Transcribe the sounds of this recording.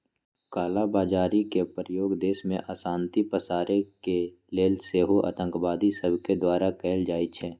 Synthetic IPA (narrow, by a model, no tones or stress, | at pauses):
kaːlabaːd͡ʒaːɾikepɾəjoːɡd̪eːsmẽʔaːsaːnt̪ipəsaːɾeke | leːlseːɦoʔa̰ːt̪ə̃ŋkbaːd̪isəbʱked̪waːɾakɛːld͡ʒaːit͡ʃʰɛː